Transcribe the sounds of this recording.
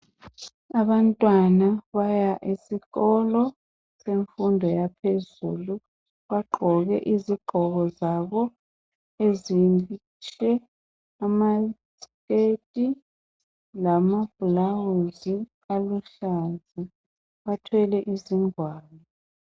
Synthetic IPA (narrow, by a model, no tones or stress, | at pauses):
aβantʼwanaβajaʔisiɣɔlɔ | seɱfundʱɔjapʰezṵːlu | βaɡ͡ǃʱɔɣɛʔiziɡ͡ǃʱɔɣɔzaβɔ | ezi | t͡ʃʰʼɛ | amaskʼetʼi | lamab̥ulawuzi | aluɬazi | βatʰwɛlɛʔiziŋwaːlɔ